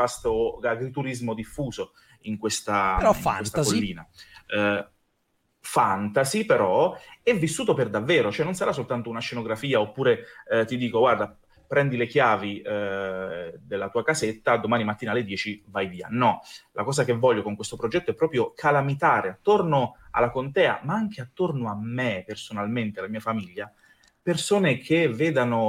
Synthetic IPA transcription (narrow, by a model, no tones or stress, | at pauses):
fast̪oaɡɾit̪uɾizmod̪ifːuːzo | iŋkwest̪aaŋwest̪akolːiːna | fant̪azipeɾɔɛvːisːuːt̪operd̪avːeːɾot͡ʃoɛnːonsaɾasːolt̪ant̪ounaʃːenoɡɾafiːaopːuːɾet̪id̪iːkoɡward̪a | pɾɛnd̪ilek̟jaːvi | d̪elːat̪uːakazet̪ːad̪omaːnimat̪ːinalːed̪jɛːt͡ʃivajviːa̰nɔlʔakɔːzak̟evːɔʎːokoŋkwest̪opɾod͡ʒɛt̪ːoɛpːɾɔːpɾjokʰalamit̪aːɾeat̪ːornoa̰lːakont̪ɛːa̰maaŋk̟eat̪ːornoamːepersonalment̪ealamiːafamiʎːa | persoːnekʰeveːd̪ano